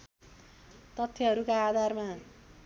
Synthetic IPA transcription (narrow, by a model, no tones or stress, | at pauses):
t̪ʌt̪ʰjʌɦʌɾukaːd̪ʱarma